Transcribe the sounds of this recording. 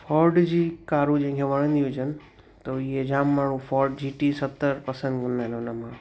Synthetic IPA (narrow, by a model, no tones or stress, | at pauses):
fʰɔːɾɖd͡ʑiːkaːɾũd͡ʑẽɦɪ̃ŋkʰeʋɐɽ̃ə̃nd̪iũd͡ʑənɪ | t̪oiɦed͡ʑaːmːãːɽ̤̃ũfʰɔːɾɖ̚d͡ʑiːʈisət̪ːəɾpɐsə̃nd̪kʰə̃nd̪aɦɪnʊnəmã